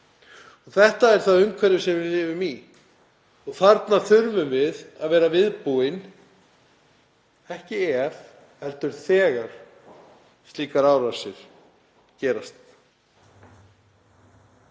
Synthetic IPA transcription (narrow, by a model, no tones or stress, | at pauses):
ɔɣθɛht̪aɛɾ̥θaðʏmkʰvɛɾðʏsɛmvɪɾlɪːvʏmi | ɔɣθaɾt̪naθʏɾvʏmvɪðaðvɛːɾavɪðpuɪn | ɛhcɪɛɾ̥ | hɛlt̪ʏɾ̥θɛːɣaɾ̥ | st̪liːkaɾaːwɾasɪɾ̥ | cɛːɾast̪